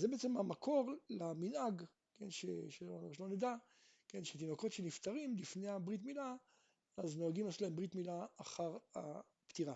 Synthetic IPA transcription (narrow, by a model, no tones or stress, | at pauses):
zebeet͡semamakʰo̞ʁlaminaɡ | kenʃeʃeoʃlo̞ned̪a | kenʃet̪̬inoko̞tʃenift̪aʁimlifneabʁitmila | azno̞aɡimeslaembʁit̪milaːχaʁa̰ | pt̪iʁa